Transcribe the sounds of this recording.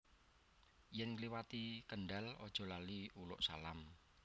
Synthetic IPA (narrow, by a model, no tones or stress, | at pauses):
jɛnkliwat̪ikəɳɖalɔd̥ʒ̥ɔ̤laliulʊ̰ʔsalam